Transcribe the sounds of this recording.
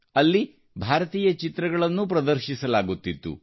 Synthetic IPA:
ɐlːi | bʱaːɾɐt̪iːjɐt͡ʃit̪ɾɐɡɐɭɐnːup̬ɾɐd̪ɐɾʃisɐlaːɡut̪ːit̪ːṵ

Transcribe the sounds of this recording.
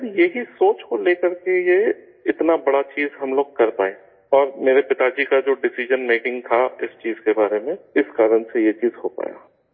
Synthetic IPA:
ɾjeɦisoːt͡ʃkoleːkəɾkeje | ɪt̪nabɐɽat͡ʃiːzɦɐmloːɡ̚kɐɾpa̰ːẽː | ɔːɾmeːɾepɪt̪ad͡ʒikad͡ʒoːɖɪsɪʒənmeːkɪ̃ŋɡt̪ʰaɪst͡ʃiːzkebaːɾemẽɪskaːɾənsejet͡ʃiːzɦopa̰ːja̰ː

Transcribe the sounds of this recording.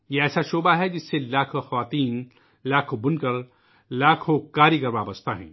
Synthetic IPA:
jeɛːsaʃoːbaɦɛd͡ʒɪsːelaːkʰoxɐʋaːt̪iːn | laːkʰobʊnkɐɾ | laːkʰokaːɾikɐɾʋaːbɐst̪aɦɛ̰̃ː

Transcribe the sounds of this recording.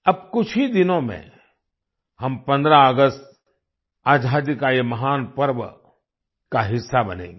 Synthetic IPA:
ɐb̚kʊt͡ʃʰid̪ɪnõmḛ̃ | hɐmpɐ̃nd̪ɾaəɡəst̪ | aːd͡ʒʱaːd̪ɪkaːemɐɦaːnpəɾʋə | kaɦɪsːabɐnḛ̃ːŋɡeː

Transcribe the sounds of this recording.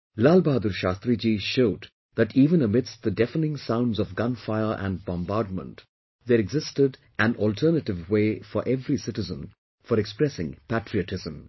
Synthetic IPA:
laːlbaːd̪uɾʃaːst̪ɾid͡ʒiʃoʊd | ðæʈiːvə̃nəmɪdst̚ðədɛfənɪ̃ŋsãʊ̃ndzɔvɡʌ̃nfaɪə˞ʔæ̰̃nɖbɔ̃mbaːɾɖ̚mə̰̃nt | ðeɾɛɡzɪstɪɖ | æ̃nɔlʈʰəːnəʈɪvweːfɔɾʔɛvɾisɪʈɪzə̰̃n | fɔɾɛkspɾɛsɪ̰̃ŋpæʈʰɾiɨʈʰɪzə̃m

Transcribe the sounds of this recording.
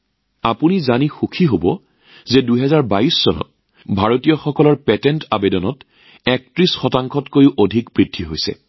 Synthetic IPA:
apunizanixukʰiɦobɔ | zɛduɦɛzaɹbaisːɔnɔ̰t̚ | bʱaɹotijɔxɔkɔlɔɹpɛtɛntabedɔnɔt | ɛk̚tɹisxɔtaŋkʰɔtkojuʔodʱikpɹitʰːiɦojsɛ̰

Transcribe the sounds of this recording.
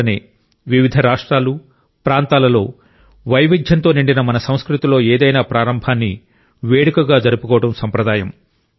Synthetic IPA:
ɐnḛː | ʋiʋid̪ʱɐɾaːʂʈɾaːlu | pɾaːnt̪aːlɐlo̞ː | ʋɐjʋid̪ʱjɐnt̪o̞ːniɳɖinɐmɐnɐsɐwskɾut̪ilo̞ːeːd̪ɐjnaːpɾaːɾɐmbʱaːnːḭ | ʋeːɽikɐɡaːd͡ʒɐɾupukɔːʋɐɽɐmsɐmpɾɐd̪aːjɐm

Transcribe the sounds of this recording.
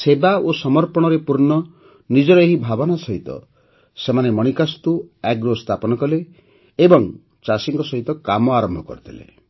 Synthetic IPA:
sebaosɔmɔɾpɔɽ̃ɔɾepuɾɳɔ | nid͡ʒɔɾɔeɦibʱabɔnasɔɦit̪ɔ̰ | semanemɔɽ̃ikast̪uɛɡɾost̪ʰapɔnɔkɔleː | bɔŋ | t͡ʃasiŋkɔsɔɦit̪ɔkamɔaɾɔmbʱɔkɔ̰ɾit̪ʰilḛ

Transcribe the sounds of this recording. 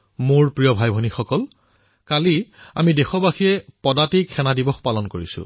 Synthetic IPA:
moɹpɹijɔbʱajbʱɔnixɔkɔl | kalia̰midexɔbaxijɛpɔdatiɛnadibɔxpalɔnkoɹisʊ̰

